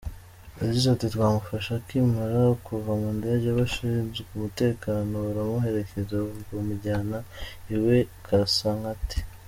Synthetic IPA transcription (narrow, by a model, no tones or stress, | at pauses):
jaɟizaatitwaːmufaʃakimaɾakuvamundaaɟaβaʃiɾinzkumute̞ːkaːno̞uɾamuɦe̞ɾe̞kezaɡomuɟaːnaiwe̞kʰasaŋati̥